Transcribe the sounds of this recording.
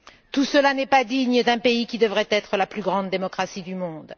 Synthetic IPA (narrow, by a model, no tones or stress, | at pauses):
t̪usəlanɛpad̪iɲəd̪ɛ̃peikʲid̪əvʁɛt̪ɛt̪χəlaplyɡʁɑ̃d̪ːemɔkχasid̪ymɔ̃d̪